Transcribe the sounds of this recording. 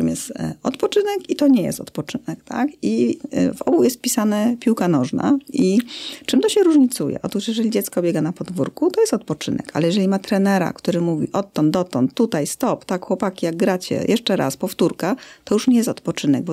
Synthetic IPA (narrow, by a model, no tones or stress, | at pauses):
ɨmjɛst̪ɔt̪pɔt͡ʂɘnɛkit̪ɔɲɛjɛ̰st̪ɔt̪pɔt͡ʂɘnɛkt̪ʰa̰kivɔ̰bujɛst̪̚pʲisanɛpʲiwkanɔʐna̰it͡ʂɘmt̪ɔɕɛɾuʐɲit̪sujɛ̰ʔɔt̪uʂjɛʐɛlʲid͡ʑɛt̪skɔbʲjɛɡanapɔd̪vṵɾkut̪ɔjɛst̪ɔt̪̚pɔt͡ʂɘ̰nɛ̰ka̰lɛjɛʐɛlʲimat̪ɾɛnɛɾa̰kt̪uɾɘmuvʲḭʔɔt̪ːɔnd̪d̪ɔt̪ɔnt̪ːut̪ajst̪ɔpt̪akxwɔpakʲijaɡ̚ɡɾat͡ɕɛ̰jʔɛʂt͡ʂɛɾa̰spɔft̪uɾkaɔjuʂɲɛjɛst̪ɔt̪pɔt͡ʂɘnɛɡ̚bɔ